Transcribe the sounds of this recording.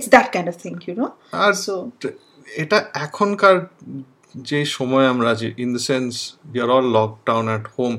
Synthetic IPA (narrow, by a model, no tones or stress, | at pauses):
ɪtsd̪æʈ̚kãj̃ndɔvt̪ʰɪ̃ŋkjuno | aɾso | eʈaɛkʰɔnkaɹ | d͡ʒejʃɔmɔeamɾad͡ʒiʔind̪əsẽnsbiaɾɔlːɔk̚ɖawnɛʈhom